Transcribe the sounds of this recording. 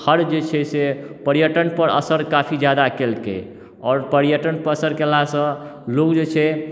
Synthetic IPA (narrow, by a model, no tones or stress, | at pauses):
həɾd͡ʒet͡ʃʰɛsepəɾjəʈənpəɾə̰səɾkapʰid͡ʒjad̪akelkḛ | ɔːɾpəɾijəʈənpəɾəsəɾkelasə̃lokd͡ʒet͡ʃʰɛ